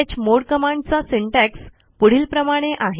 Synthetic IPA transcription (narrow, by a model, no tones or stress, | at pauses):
at͡ɕmoɽkəmaɳɖt͡sasiɳʈæks | puɽ̤iːlpɾəmaɽ̃eʔaɦe